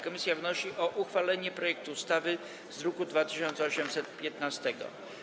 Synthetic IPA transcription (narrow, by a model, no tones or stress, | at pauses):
kɔmʲisʲjavnɔɕiʔɔʔuxfalɛɲɛpɾɔjɛk̚t̪uust̪avɘ | zɾɔkud̪vat̪ɘɕɔnt̪sɛɔɕɛmsɛt̪pʲjɛt̪nast̪ɛɡɔ̰